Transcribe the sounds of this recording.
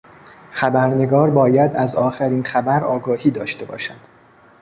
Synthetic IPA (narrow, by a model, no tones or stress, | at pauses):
xæbæɾne̞ɡɒːɾbɒːjæd̪æzɒːxæɾiːnxæbæɾɒːɡɒːhiːd̪ɒːʃt̪e̞bɒ̰ːʃæd̪̥